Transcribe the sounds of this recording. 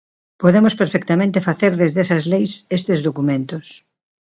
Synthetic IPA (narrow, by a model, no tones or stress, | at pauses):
poðemospeɾfɛk̚t̪amẽnt̪efaθeɾðezðesɐzlejsest̪ezðokumẽnt̪os